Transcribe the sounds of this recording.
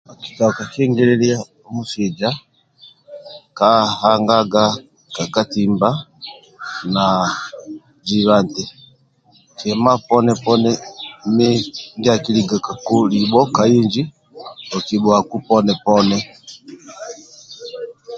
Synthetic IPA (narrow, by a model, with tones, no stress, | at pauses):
a˨ki˨ta˨ka˨ʃɛ˦ŋɡɛ˦lɛ˦li˦a˦ | mu˦si˨d͡ʒa˦ | ka˦ha˦ŋɡa˦ɡa˦ | ka˨ka˦ti˨mba˦ | na˨ | d͡ʒi˦βa˦ntɛ˨ | kɛ˨ma˦pɔ˦nɛ˦pɔ˦nɛ˦mɛ˦ŋɡi˦a˨ki˦li˨ɡa˨ka˨ku˦li˨ɓɔ˦ka˨i˦nd͡ʒi˦ | ɔ˨ki˨ɓɔ˨a˨ku˦pɔ˦nɛ˨pɔ˦nɛ˦